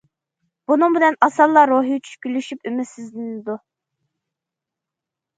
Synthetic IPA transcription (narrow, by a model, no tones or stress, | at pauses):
b̥unʊŋbɪnɛnɑsɑlˠːɑɾoːɦijt͡ʃʰy̥ʃkʲylyʃypymɪsɪzlɪnɪd̪u